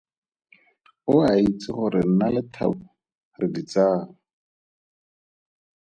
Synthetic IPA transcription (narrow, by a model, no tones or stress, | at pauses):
ʊait͡sɪχʊɾɪn̩nalɪtʰa̰bʊ | rɪdit͡saːŋʊ